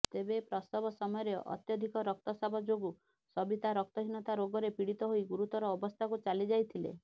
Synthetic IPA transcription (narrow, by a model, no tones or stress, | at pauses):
t̪ebepɾɔst̪ɔbʱɔsɔmɔjɔɾeɔ̰t̪jɔd̪ʱikɔɾɔk̚t̪ɔsabʱɔd͡ʒoɡu | sɔbit̪aɾɔk̚t̪ɔɦinɔt̪aɾoɡɔɾepiɽit̪ɔɦoiɡuɾut̪ɔɾɔːbɔst̪ʰakut͡ʃalid͡ʒajt̪ʰilḛ